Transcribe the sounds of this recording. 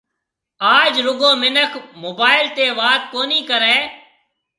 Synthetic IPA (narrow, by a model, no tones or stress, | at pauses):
aːd͡ʒɾʊɡõːmɪnəkʰmoːbaːɪlt̪eːʋaːt̪̚koːniːkəɾeː